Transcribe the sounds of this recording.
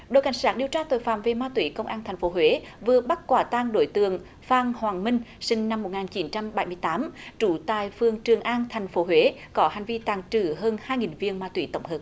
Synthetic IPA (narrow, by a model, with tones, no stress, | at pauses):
ɗo˧˨jka̰˧˩jŋ̟saː˦˥ɗi˨əwt͡ɕaː˧t̪o˨˩jfaː˧˩mve˨˩maː˧t̪wḭ˧˩kə˧wŋ͡mʔaː˧nt̪ʰjŋ̟fo˨˦ɦwe˨˦vɨ˨˩əɓa˦˥t̚kwaː˧˩t̪aː˧ŋɗo˧˩jt̪ɨ̰˧˨əŋ | faː˧ŋhwaː˨˩ŋmï˧ŋ̟sï˧ŋ̟na˧mːo˨˩t̚ŋaː˨˩nt͡ɕi˨˦nt͡ɕa˧mɓa˧˩jmɨ˧əjt̪aː˨˦mt͡ɕu˧˩t̪a̰ː˨˩jfɨ˨˩əŋt͡ɕɨ˨˩əŋʔaː˧ŋt̪ʰɛ˨˩jŋ̟fo˨˦ɦwe˨˦kɔ˨˦ha˨˩ŋ̟vi˧t̪aː˧˩ŋt͡ɕɨ˧˩ɦəː˧nhaː˧jŋi˨˩nvi˧ənmaː˧t̪wḭ˧˩˦t̪ə˧˩wŋ͡mɦəː˨˩p̚